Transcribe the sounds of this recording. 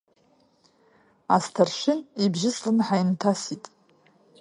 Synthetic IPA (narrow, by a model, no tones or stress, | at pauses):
astʰarʃʷᶣɪnibʒɪsʼlɨnħajntʰasitʼ